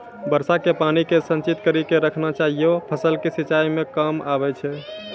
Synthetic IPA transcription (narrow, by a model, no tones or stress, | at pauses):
bəɾsakepanikesə̃nt͡ʃit̪kəɾikeɾəkʰnat͡ʃaɦijopʰəsəlkesit͡ʃaimekəmaβɛt͡ʃʰɛ